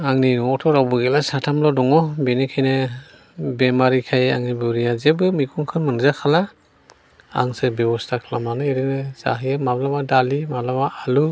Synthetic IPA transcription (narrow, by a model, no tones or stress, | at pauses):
aŋninɔɔtʰɔɾawbɯɡelasatʰamlɔdɔŋɔbenekʰajne | bemaɾikʰajaŋnibɯɾijazebɯmikʰuŋkʰɯnmɯnzakʰala | a̰ŋsɯbebɔstʰakʰlamanɯeɾinɯza̰ɦijemablamadalimablamaːlu